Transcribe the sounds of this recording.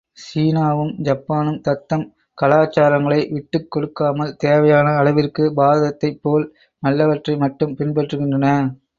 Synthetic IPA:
siːnaːʋɯmd͡ʒɐpːaːnɯmt̪ɐt̪ːɐm | kɐlaːt͡ʃːaːɾɐŋɡɐɭɐɪʋɪʈːɯkːɔɽɯkːaːmɐlt̪eːʋɐjaːnɐːɭɐʋɪrkɯbaːðɐt̪ːɐɪpːoːl | nɐlːɐʋɐʈrɐɪmɐʈːɯmpɪnpɐʈrɯɣɪndrɐnɐ

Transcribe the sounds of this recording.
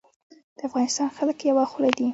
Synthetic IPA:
d̪̥əafɣɑnɪst̪ɑnxaləkjawaxulad̪i

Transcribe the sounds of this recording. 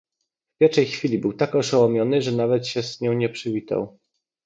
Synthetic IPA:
v̥pʲjɛʂɛjxfʲilʲibɘwt̪akɔʂawɔmʲjɔnɘʐɛnavɛt̪ɕɛsɲɔ̃w̃ɲɛpʂɘvʲit̪a̰w

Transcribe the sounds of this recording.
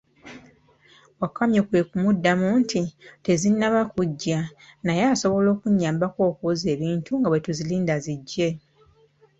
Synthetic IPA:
wakːamjokwe̞ːkumudːamuːntʰite̞zinːaβakuɟːanajaːso̞βo̞lo̞ːkuɲːaːmbako̞ːkoze̞ːβiːntuŋɡaβwe̞tuziliːndaziɟːe̞

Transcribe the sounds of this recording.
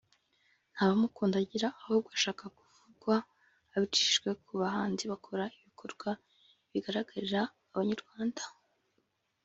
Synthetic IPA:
n̥haːβamukuːndaɟiɾaːhob̚ɡaʃaːkakuvuɡwaː | βit͡ʃi̥ʒɡwe̞kʰuβaɦaːnziβakʰo̞ɾaiβikʰo̞ɾɡ̥wa | βiɡaɾaɡaɾiɾaː | βaɲaɾɡwaːndḁ

